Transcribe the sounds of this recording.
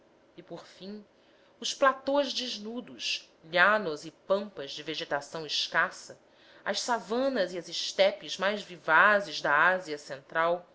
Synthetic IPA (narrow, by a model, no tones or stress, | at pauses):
ɪpoɾfĩ | ʊsplat̪õʒd͡ʒɪʒnud̪ʊʃ | ʎanʊzɪpɐ̃mpɐzd͡ʒɪveʒet̪asɐ̃w̃ɪʃkasɐ | ɐ̰ʃsavɐ̃nɐziɐzɪʃt̪ɛpɪzmajzvivazɪzd̪ɐaziɐsẽnt̪ɾaw